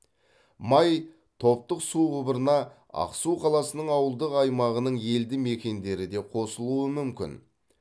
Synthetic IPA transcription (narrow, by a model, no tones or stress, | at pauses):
mɑj | t̪ʰo̞p̚t̪əqsuʁʊbəɾənɑ | ɑ̰qsuqʰɑlˠɑsənəɴɑwəlˠd̪əqɑjmɑʁənəɴe̞ld̪ɪme̞kʲe̞nd̪e̞ɾɪd̪e̞qʰo̞səlˠuəmʏmkʲɪ̰n